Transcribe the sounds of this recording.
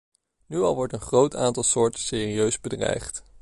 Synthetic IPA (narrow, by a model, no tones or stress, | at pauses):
nyɑ̰lˠʋɔɹtənχrowtʰa̰ːntɑlˠsʊːɹtəsɪːriøɥzbədrɛ̰jχt